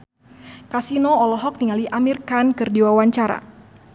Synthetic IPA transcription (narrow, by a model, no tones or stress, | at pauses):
kasinoɔlɔɦɔk̚niŋaliʔamirkankɨrdiwawaɲt͡ʃaɾa̰